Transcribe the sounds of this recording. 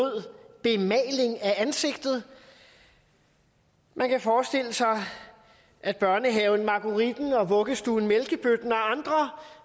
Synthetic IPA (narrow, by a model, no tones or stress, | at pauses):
o̝ð̰ˠb̥e̝mɛːɪle̝ŋæænse̝ɡ̥d̥ð̞̩ˠ | mʔænkʰæfɒːsd̥e̝l̰əsɑ̈ɪ | ʔæd̥̚b̥ɶɐnəɦɛʊn̩mɑ̈ɡ̥uʁid̥n̩ɒ̽ʋɔ̽ɡ̥əsd̥uːn̩melɡ̥əb̥ød̥nɒ̽ɑ̈nd̥ʁɐ